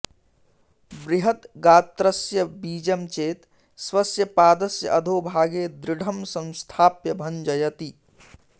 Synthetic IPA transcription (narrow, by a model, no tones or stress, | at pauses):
bɾiɦət̪ɡaːt̪ɾəsjəbiːd͡ʒəmt͡ʃeːt̪ | swɐsjəpaːd̪əsjə̰ʔəd̪ʱoːbʱaːɡed̪ɾɪɽʱəmsə̃nst̪ʰaːpjəbʱənd͡ʒɐjɐt̪i